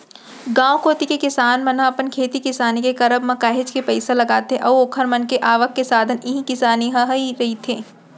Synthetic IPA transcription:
ɡãːwkoːt̪ikekɪsaːnmɐnəɐpənkʰeːt̪ikɪsaːnikekɐɾəbmɐkaːɦed͡ʒkepɐɪselɐɡaːt̪ɦeʔɐːoːkʰəɾmɐnkeʔaːʋəkːesaːd̪ʱənɪɦĩkɪsaːniɦɐɦiɾɐɦit̪ʰeː

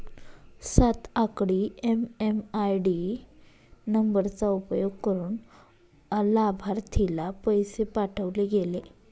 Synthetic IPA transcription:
sat̪akɽiememajɖi | nəmbəɾt͡saupjoɡ̚kəɾuːn | əlabʱaɾt̪ʰilapəjsepaʈʰəʋleɡele

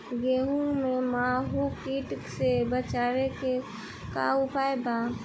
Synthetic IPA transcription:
ɡeːɦũmẽmaːɦukiːʈksebət͡ʃaːɾeke | ka̰ʊpaːebaː

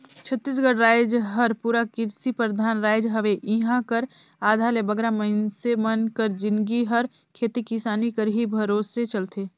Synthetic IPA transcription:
t͡ʃʰət̪ːis̬ɡəɽɾaːɪd͡ʒɦəɾpuːɾakɪɾsipɾəd̪ʱaːnɾaːɪd͡ʒɦəʋeʔiɦãkəɾ | aːd̪ʱalebəɡɾaməɪnsemənkəɾd͡ʒɪnɡiɦɐɾ | kʰeːt̪ikɪsaːnikəɾɦibʱɐɾoːsːet͡ʃɐlt̪ʰeː

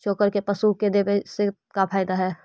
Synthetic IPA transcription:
t͡ʃoːkəɾkepəsuked̪ebẽsɪkt̪kapʰaːɪd̪aɦɛː

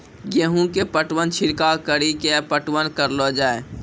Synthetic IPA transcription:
jeɦũkepəʈwənt͡ʃʰɪɾkakəɾikepəʈwənkəɾlod͡ʒaːe

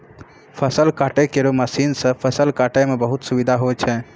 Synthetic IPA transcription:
pʰəsəlkaʈekeɾoməsinsə̃pʰəsəlkaʈamebəɦut̪subid̪ʱaɦot͡ʃʰɛ

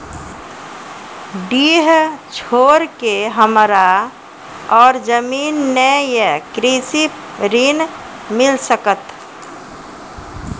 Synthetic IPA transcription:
ɖiɦt͡ʃʰoːɾkeɦəmɾa | ɔːɾd͡ʒəmiːnːejekɾisi | ɾin | mɪlsəkət̪

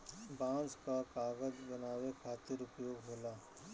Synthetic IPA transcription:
bãːnskakaːɡəd͡ʒbɐnaːwekʰaːt̪ɪɾʊpjoːɡɦoːlaː

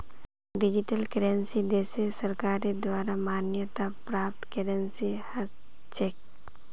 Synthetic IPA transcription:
ɖɪd͡ʒiʈəlkəɾensid̪eːsesɐɾkaːɾid̪waːɾamaːnjət̪apɾaːp̚ʈkeɾensihə | t͡ʃeːk̚

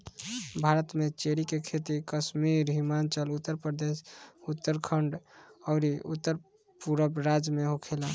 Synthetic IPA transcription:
bʱaɾət̪met͡ʃeɾikekʰet̪ikəsmiɾɦimant͡ʃəlut̪ːəɾpɾəd̪esut̪ːəɾkʰəɳɖɔʊɾiut̪ːəɾ | puɾəbɾad͡ʒmeɦokʰela

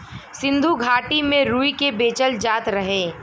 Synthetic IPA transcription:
sɪ̃nd̪ʱuɡʱaːʈimẽɾuːikebeːt͡ʃəld͡ʒaːt̪ɾɐɦẽː

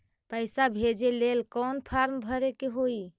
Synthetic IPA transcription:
pəɪsabʱed͡ʒelelkɔnpʰaɾmbʱəɾekeɦoi

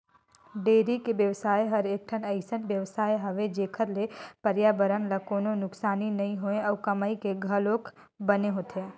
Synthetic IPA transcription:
ɖeːɾikeʋjəʋsaːjɦɐɾeːk̚ʈʰənɐɪsənʋjəʋsaːjɦɐʋed͡ʒeːkʰəɾlepəɾjaːbəɾənlakoːnonʊksaːninɐĩɦoẽɐʋkɐməikeɡʱəloːk | bəneɦoːt̪ʰjaː

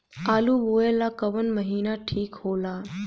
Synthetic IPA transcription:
aːluʋoːelakəʋənməɦiːnaʈʰiːkhoːlaː

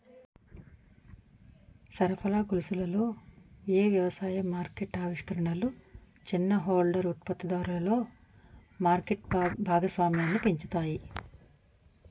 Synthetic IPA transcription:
sɐɾɐpʰɐlaːɡulusulɐlo̞ːeːʋjɐʋɐsaːjɐmaːɾkeʈaːʋiʂkɐɾɐɳɐlu | t͡ʃinːɐɦoːlɖɐɾut̪̚pɐt̪ːid̪aːɾulɐlo̞ː | maːɾkeʈ̚bʱaːɡɐsʋaːmjaːnːip̪iɲt͡ʃut̪aːji

